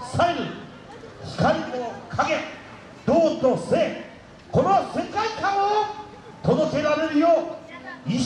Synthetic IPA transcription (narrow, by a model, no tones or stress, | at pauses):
saiɾɯ | çi̥kaɾʲimokʰaɡẽ | d̪̥oːt̪ose | konose̞kaikãɰ̃o | t̪ʰod̪oke̞ɾaɾe̞ɾɯ̟joː | i